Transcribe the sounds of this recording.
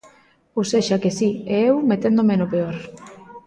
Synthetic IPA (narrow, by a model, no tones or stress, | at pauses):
oseʃakesieewmet̪end̪omenopeoɾ